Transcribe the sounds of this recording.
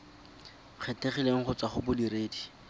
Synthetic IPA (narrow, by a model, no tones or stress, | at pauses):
q͡χʰeteχileŋ̩χʊt͡saχʊbʊdiɾeːdi